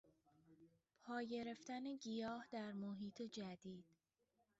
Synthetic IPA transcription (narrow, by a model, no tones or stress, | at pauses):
pʰɒːje̞ɾe̞ft̪æne̞ɟijɒːhd̪æɾmoɦiːt̪ʰe̞d͡ʒæd̪iːd̪̥